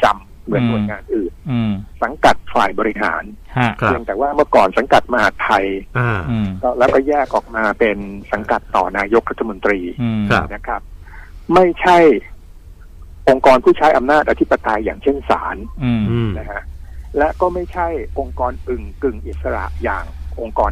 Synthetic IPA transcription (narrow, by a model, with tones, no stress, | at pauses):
t͡ɕa˧m | mɯ˩˦ənːu˨˩˧jŋaː˧nʔɯː˨˩nsa˨˩˦ŋka˨˩t̪̚faː˨˩jbɔː˧ɾi˦˥ɦa̰ː˩˦nʰ | pʰi˧əŋt̪ɛː˨˩waː˥˩mɯ˥˩ɐkɔː˨˩nsa˩˦ŋka˨˩t̪̚ma˧ha˨˩t̪ʰːa˧ja˧˩kɔ˥˩lɛː˦˥wkɔː˥˩jɛː˥˩k̚ʔɔː˨˩k̚maː˧pe˧nsa˩˦ŋka˨˩t̪ːɔ̰ː˨˩naː˧jo˦˥k̚ɾa˦˥t̪ʰːa˧mo˧nt̪ɾiː˧a˧na˦˥kʰɾa˦˥p̚ma˥˩jt͡ɕʰa˥˩j | ʔo˧ŋkɔː˧npʰuː˥˩t͡ɕʰa˦˥jʔa˧mnaː˥˩t̪̚ʔa˧t̪ʰi˦˥pːa˧t̪a˧jːa̰ː˨˩ŋt͡ɕʰe˥˩nsa̰ː˩˦n˧ | na˦kʰa˦˥ʔlɛ˦˥ʔkɔː˥˩ma˥˩jt͡ɕʰa˥˩jʔo˧ŋkɔː˧nʔɯ˨˩ŋkɯ˨˩ŋʔi˨˩t̪̚sa˧ɾa̰˨˩ʔja̰ː˨˩ŋʔo˧ŋkɔː˧